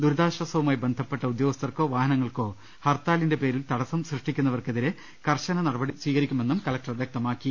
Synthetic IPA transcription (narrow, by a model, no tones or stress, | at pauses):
d̪uɾd̪aːɕʋɐsɐʋumaːjibe̞nd̪ʱɐpːeʈːɐud̪jo̞ːɡɐst̪ɐrko̞ːʋaːhɐnɐŋːɐɭko̞ː | hɐrt̪aːlinde̞pe̞ːɾilt̪ɐɽɐsɐmsrɨʂʈikʲːunːɐʋɐrkeðiɾe | kɐrɕɐnɐnɐɽɐbɐɽisʋiːɣɐɾikʲːume̞nːumkɐlɐk̚ʈɐrɐd̪jɐk̚t̪ɐmaːkːi